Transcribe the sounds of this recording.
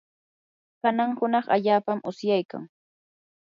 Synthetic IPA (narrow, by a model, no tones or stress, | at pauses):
kanaŋhʊnɑχa̰ʎaːpamʔʊsjajka̰ŋ